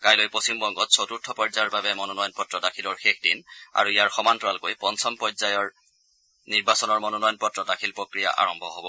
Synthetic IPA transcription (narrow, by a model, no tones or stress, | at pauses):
kajlojposimbɔŋɡɔtsʰotuɹtʰːɔpɔzajɔɹbabɛmɔnɔnɔjɔnpɔtɹɔdakʰilɔɹxexʰdina̰ɹuijaɹxɔmantɔɹalkojpɔnsʰɔmpɔzajɔɹ | niɹbasɔnɔɹmɔnɔnɔjɔnpɔtɹɔdakʰilpɹokɹija̰ʔa̰ɹɔmbʱɔɦobɔ